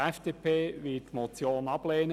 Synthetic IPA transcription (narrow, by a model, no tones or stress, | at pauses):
ɛfd̥eːpʰeːʋɪtmɔt͡sjoːnɑb̥leːnə